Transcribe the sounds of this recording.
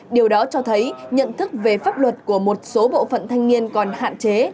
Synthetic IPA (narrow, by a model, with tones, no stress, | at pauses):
ɗi˨˩əwɗɔ˨˦t͡ɕɔ˧t̪ʰə˨˦jɲə̰˧˨nt̪ʰɨ˦˥k̚ve˨˩faː˦˥p̚lwə˨˩t̚ku˧˩əmo˨˩t̚so˨˦ɓo̰˧˨fə̰˧˨nt̪ʰa˧jŋ̟ŋi˧ənkɔ˨˩nha̰ː˧˨nt͡ɕe˨˦